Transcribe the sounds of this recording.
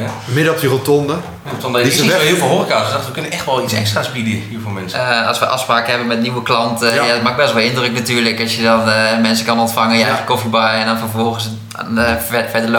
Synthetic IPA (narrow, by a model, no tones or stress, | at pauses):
mɪdəɔpdərotɔndə | rotɔndəhiəlˠvɪlˠoːrikatsdaχtʋəkɵnənɛxtʋɔlˠisɛ̰kstraspidəəhilvolˠmɛnsɑ̰sʋəʔɑfspraːkəɦɛbənmɛtniwəklɑntəjadtmaɡ̚bɛstʋɔlˠɪndrəknatyːɹləkɑsjədɔnmɛnsəkɑnɔntfaŋənjəɛjxəkːofibajɛndɔnfərfɔlˠɣəs | fɛdəl